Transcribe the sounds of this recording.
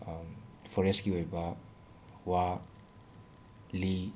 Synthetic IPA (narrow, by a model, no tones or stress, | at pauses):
pʰɔɾeskiojba | wa | li